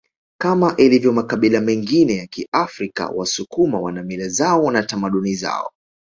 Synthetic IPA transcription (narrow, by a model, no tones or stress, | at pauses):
kamaʔilivjɔmakaɓilamɛŋɡinɛjakiʔafɾika̰wasukumawa̰namilazaɔnatamaɗuniza̰ɔ̰